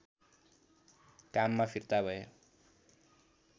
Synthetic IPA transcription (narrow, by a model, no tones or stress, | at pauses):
kamːapʰirt̪abʱʌjo